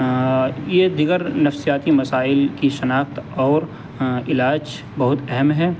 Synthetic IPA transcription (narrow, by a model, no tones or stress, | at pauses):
jed̪ɪɡəɾnɐfsijaːt̪imɐsaːɪlkiʃɐnaːxt̪ɔːɾ | ɪlaːd͡ʒ | bɐɦʊt̪ɛɦɛmɦɛː